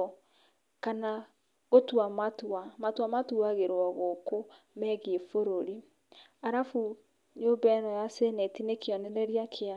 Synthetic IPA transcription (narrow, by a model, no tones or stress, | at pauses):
kana | otwamatuamatwamatuaɣeɾoaɣoko | mɛɣefoɾoɾi | aɾafu | nobɛɾɔjasenɛtinekeɔnɛɾɛɾiakʰea